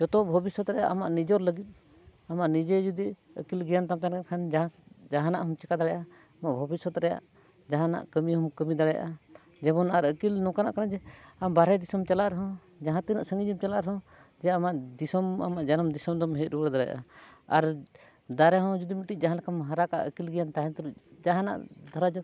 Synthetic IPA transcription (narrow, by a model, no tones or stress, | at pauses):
d͡ʒɔt̪ɔbʱɔbisɔt̪ɾɛja̰ʔamaʔnid͡ʒɔɾləɡit̪̚ˀ | amaʔnid͡ʒɛd͡ʒud̪i | ə̰kilɡijant̪amt̪ankankʰand͡ʒd͡ʒaɦanaʔɦɔmt͡ʃɛkad̪aɽɛjʔa | amaʔbʱɔbisɔt̪ɾɛja̰ʔ | d͡ʒaɦãna̰ʔkəmiɦɔmkəmid̪aɽɛja̰ʔa | d͡ʒɛβɔnaɾəkilnɔkana̰ʔkanad͡ʒɛambaɾɛjd̪isɔmt͡ʃalaʔɾɛɦɔ̃ | d͡ʒaɦãt̪inaʔsəŋɡid͡ʒimt͡ʃalaʔɾɛɦɔ̃ | d͡ʒɛaamaʔd̪isɔma̰maʔd͡ʒanɔmd̪isɔmd̪ɔmɦɛt̪̚ˀɾubəɽd̪aɽɛjaʔa̰aɾ | d̪aɾɛɦɔ̃d͡ʒud̪imiʈiʔ̚ˀd͡ʒaɦãlakʰamɦãɾaka̰ʔəkilɡɛjant̪aɦɛnt̪ɔlud͡ʒaɦãna̰ʔd̪ʱɔɾad͡ʒɔ